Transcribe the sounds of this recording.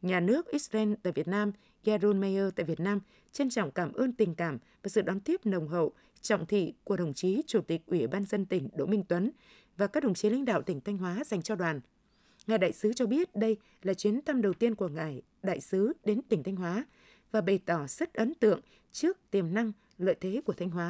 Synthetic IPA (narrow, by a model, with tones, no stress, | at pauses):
ɲaː˨˩nɨ˦˥ək̚ʔi˦˥t̚zɛ˧nt̪a̰ː˧˨jvi˨˩ət̚naː˧m | ɣaː˧zo˧nma˧jʔəː˧t̪a̰ː˧˨jvi˨˩ət̚naː˧m | t͡ɕə˧nt͡ɕɔ̰˧˨wŋ͡mkaː˧˩mʔəː˧nt̪ï˨˩ŋ̟kaː˧˩mvaː˨˩sɨ̰˧˨ɗɔ˨˦nt̪i˦˥əp̚nə˨˩wŋ͡mɦə̰˧˨w | t͡ɕɔ̰˧˨wŋ͡mt̪ʰḭ˧˨ku˧˩əɗə˨˩wŋ͡mt͡ɕi˨˦t͡ɕu˧˩t̪i˨˩k̟̚ʔwi˧˩ɓaː˧nzə˧nt̪ï˧˩ŋ̟ɗo̰˧˥mï˧ŋ̟t̪wə˨˦n | vaː˨˩kaː˦˥k̚ɗə˨˩wŋ͡mt͡ɕi˨˦la̰˧˥ŋ̟ɗa̰ː˧˨wt̪ï˧˩ŋ̟t̪ʰjŋ̟ɦwaː˨˦za˨˩jŋ̟t͡ɕɔ˧ɗwaː˨˩n | ŋaː˨˩jɗa̰ː˧˨jsɨ˨˦t͡ɕɔ˧ɓi˦˥ət̚ɗə˧j | laː˨˩t͡ɕwi˨˦ənt̪ʰa˧mɗə˨˩wt̪i˧ənku˧˩əŋaː˨˩j | ɗa̰ː˧˨jsɨ˨˦ɗe˨˦nt̪ï˧˩ŋ̟t̪ʰa˧jŋ̟ɦwaː˨˦ | vaː˨˩ɓə˨˩t̪ɔ˧˩z̥ə˦˥t̚ʔə˨˦nt̪ɨ̰˧˨əŋ | t͡ɕɨ˦˥ək̚t̪i˨˩əmna˧ŋ | lə̰ː˧˨jt̪ʰe˨˦ku˧˩ət̪ʰa˧jŋ̟hwaː˨˦